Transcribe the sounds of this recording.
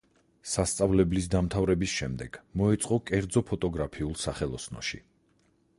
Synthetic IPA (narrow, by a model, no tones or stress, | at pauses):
sast̪sʼavlɛblis̬d̪amt̪ʰavɾɛbisʃɛmd̪ɛɡ̥mɔɛt̪sʼqʼɔkʼɛɾd̪zɔpʰɔt̪ʼɔɡɾapʰiulˠsaχɛlˠɔsnɔ̰ʃḭ